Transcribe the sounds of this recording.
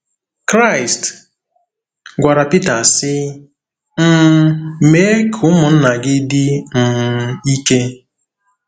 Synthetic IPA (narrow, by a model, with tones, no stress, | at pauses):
kɾa˦˨ɪ˨st | ɡʷa˨ɾa˨pi˦ta˨sɪ˦ | m̩˦me˦e˦kʰʊ˦mʊ˨n̩˦na˨ɡɪ˦dɪ˦m̩˨i˦ke˦